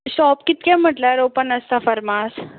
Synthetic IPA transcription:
ɕɔpkit̪̚kɛ̃m̤əʈlaɾopənəst̪afəɾmas

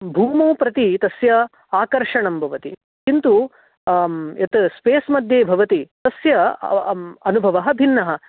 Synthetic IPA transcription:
bʱuːmoːpɾɐt̪it̪ɐsjɐ | aːkɐɾʂɐɳɐmbʱɐʋɐt̪i | kint̪u | jɐt̪speːsmɐd̪ʱjeːbʱɐʋɐt̪it̪ɐsjɐ | ɐnubʱɐʋɐɦɐ̆bʱinːɐɦɐ̆

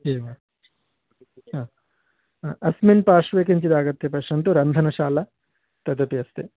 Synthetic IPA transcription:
eːʋɐ | ɦaː | aʔɐsminpaːʂʋeːk̬ɐɲt͡ʃid̪aːɡɐt̪ːepɐʃɐnt̪uɾɐnd̪ʱɐnɐʃaːlɐ | t̪ɐd̪ɐpiɐst̪e

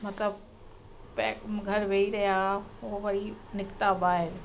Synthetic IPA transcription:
mɐt̪ləb̚ | pɛkɡʱɐɾʋeːiɾɐɦijaooʋɐɾinɪkt̪abaːɦɪɾ

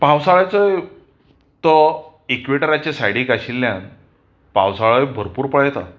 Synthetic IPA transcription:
pawsaɭat͡səj | t̪ɔ | ekʋeʈəɾat͡ɕasajɽĩkaɕilːjãn | pa̰wsaɭəbʱəɾpuːɾpəɭajt̪a̰

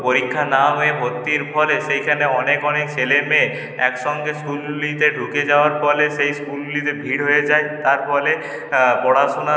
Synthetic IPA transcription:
poɾikʰːanaɦebʱot̪ːiɾpʰɔleʃejkʰaneɔnekɔnekseleme | ɛkʃɔŋɡeskulːit̪eɖʱuked͡ʑaoaɾfɔleʃejskulːit̪ebʱiɽɦojed͡ʑaet̪aɾfɔle | pɔɽaʃona

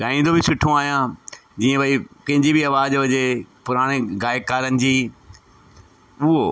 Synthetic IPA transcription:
ɡaːĩːnd̪obʱɪsʊʈʰːõaːɦijãd͡ʑiːə̃bɐipɐ̃ɦɪ̃ɲd͡ʑibiɐʋaːd͡ʑʋɐd͡ʑepʊɾaːɽ̃eɣaːɪkaːɾənɪ̆d͡ʑiː | ʊɦo

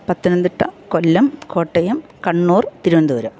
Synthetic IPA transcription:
pɐt̪ːinɐnd̪iʈːɐkolːɐmko̞ːʈːɐjɐm | kɐɳːuːrt̪iɾuʋɐnd̪uːɾɐm

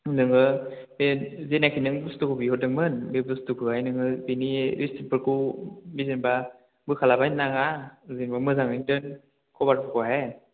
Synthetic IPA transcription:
nɯŋɯ | bezenakʰinɯŋbustukʰobiɦɔt̚dɯŋmɯnbebɯstukʰɯajnɯŋɯbiniɾistipɯɾkʰumizinba | bɯkʰalabajnaŋazinbamɯzaŋɯndɯn | kʰɔbaɾpʰɯkʰɔɦe

